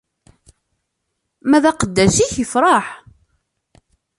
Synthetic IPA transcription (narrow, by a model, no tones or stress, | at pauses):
mæðæqəd̪ːæsiçəfɾˤɑħ